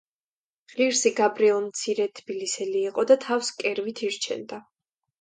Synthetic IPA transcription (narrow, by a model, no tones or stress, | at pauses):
ʁ̥iɾsiɡabɾiɛlˠmt̪sʰiɾɛt̪ʰb̥ilisɛliːqʼɔd̪at̪ʰafskʼɛɾvit̪ʰiɾt͡ʃʰɛ̰nd̪a